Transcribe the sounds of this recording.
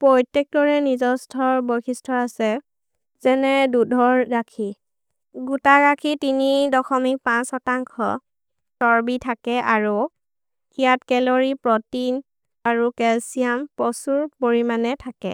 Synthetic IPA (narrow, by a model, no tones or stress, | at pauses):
pɹɔjtek̚dɔɹɛnizɔstʰɔɹbojxistʰɔasɛ | zɛnɛdudʱɔɹːakʰi | ɡutaɹakʰitinidɔxɔmik̚pãsɔtaŋkʰɔ̰ | sɔɹbitʰakɛʔaɹu | ijatkɛloɹipɹɔtin | aɹukɛlsijampɔsuɹpoɹimanɛtʰakɛ̰